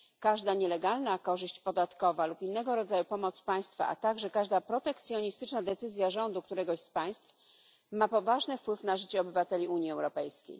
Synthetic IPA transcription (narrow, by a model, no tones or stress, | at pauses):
kaʐd̪aɲɛlɛɡalnakɔʐɘɕt͡ɕpɔd̪at̪kɔvalupinːɛɡɔɾɔd̪zajupɔmɔt̪spaj̃st̪fa̰ʔa̰t̪aɡʐɛkaʐd̪apɾɔt̪ɛkt̪sʲjɔɲist̪ɘt͡ʂnad̪ɛt̪sɘzʲjaʐɔnd̪uk̚t̪uɾɛɡɔɕspaj̃st̪f | mapɔvaʐnɛfpwɘfnaʐɘt͡ɕɛɔbɘvat̪ɛlʲiuɲjiɛwɾɔpɛjskʲḛj